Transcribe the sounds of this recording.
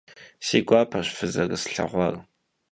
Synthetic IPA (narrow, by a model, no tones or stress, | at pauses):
siːɡʷɑːpʰɐɕfɨzɐɣɨsɬɐ̰ʁʷɑr